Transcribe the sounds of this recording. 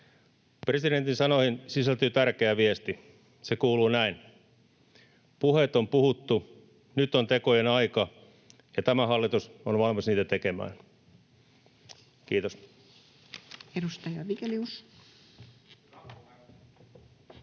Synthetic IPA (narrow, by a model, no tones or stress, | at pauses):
presiɾent̪insɑnohinsisælt̪yːt̪ærkeæʋiest̪i | sekuːluːnæin | puhet̪ompuhut̪ːu | nyt̪ont̪ekojenɑikɑ | jɑt̪æmæɦɑlːit̪usonʋɑlmisniːt̪æt̪ekemæ̰ːn | kiːt̪os | edust̪ɑjɑʋikelius